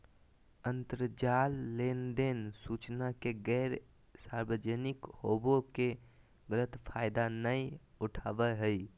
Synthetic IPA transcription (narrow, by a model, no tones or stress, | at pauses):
ənt̪əɾd͡ʒalːend̪ensut͡ʃnakeɡɛɾ | saɾbəd͡ʒənikhoboke | ɡələt̪pʰajd̪anəjuʈʰabəɦəj